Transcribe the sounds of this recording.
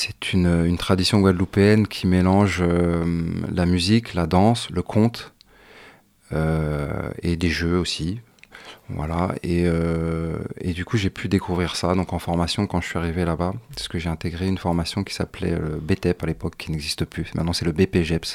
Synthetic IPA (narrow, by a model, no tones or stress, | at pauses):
sɛ̥t̪ʰynøynt̪χad̪isjɔ̃ɡwad̪lupɛnkʲʰimelɑ̃ʒø | lamyziklad̪ɑ̃sləkʰɔ̃t̪ | ø | ḛd̪eʒøosi | vwa̰la̰eø | ḛd̪ykuʒepʰyd̪ekʰuvʁiʁsad̪ɔ̃kɑ̃fɔʁmasjɔ̃kɑ̃ʒəsɥiaʁivelabasə̥kəʒeɛ̃t̪eɡʁeynfɔʁmasjɔ̃kʲi̥saplɛ̰øbet̪ɛpalepɔkʰːinɛɡzist̪əplymɛ̰̃t̪nɑ̃sɛləbepeʒɛps